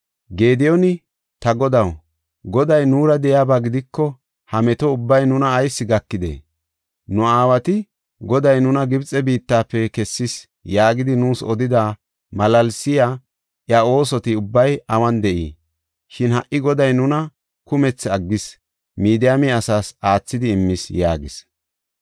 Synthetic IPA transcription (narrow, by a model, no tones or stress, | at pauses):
ɡe̞ːd̪ɪjɔnɪ | t̪ɐɡɔd̪ɐw | ɡɔd̪ɐjnuːɾɐd̪ɛjaːbaːɡɪd̪ɪkːɔ | hɐmɛt̪ɔʊbːɐjnʊnɐːjsːɪɡɐkːɪd̪ḛː | nʊaːwɐt̪ɪ | ɡɔd̪ɐjnʊnɐɡɪbt͡sʼːɛbiːt̪ːaːpːɛkɛsːɪs | jaːɡɪd̪ɪnuːsɔd̪ɪd̪a | mɐlɐlsɪjaː | ʔjɐo̞ːsɔt̪ɪʊbːɐjɐwɐnd̪ɛʔḭː | ʃɪnhɐʔːɪɡɔd̪ɐjnʊnɐ | kʊmɛt͡sːɐɡːɪs | miːd̪ɪjamiɐsaːsaːt͡sːɪd̪ɪːmːɪsja̰ːɡɪs